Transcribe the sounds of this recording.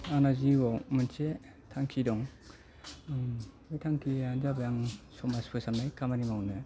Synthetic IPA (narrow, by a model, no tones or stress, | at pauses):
anaziɡowmɯnt͡ʃe | tʰaŋkʰidɔŋ | ojtʰaŋkʰiazabajaŋsɔmaspʰɯsamnajkʰamanimawnɯ